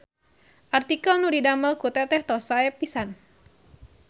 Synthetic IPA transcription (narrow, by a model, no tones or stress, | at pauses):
ʔart̪ikalnudidamalkut̪ɛt̪ɛht̪ɔsaɛpːisan